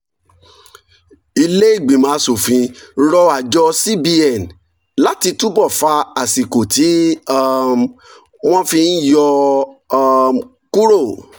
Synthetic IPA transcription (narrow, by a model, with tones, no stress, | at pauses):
i˧le˦i˦˨ɡ͡bĩ˨mã˨˦so˨fĩ˧ɾɔ˧a˨d͡ʒɔ˧si˦bi˧ɛ˨n̩˨ | la˦ti˧tu˦bɔ˦˨fa˧a˨si˨ko˨ti˨˦a˧m | w̃ɔ̃˦fĩ˧n̩˦jɔ˧ | ku˦ɾo˦˨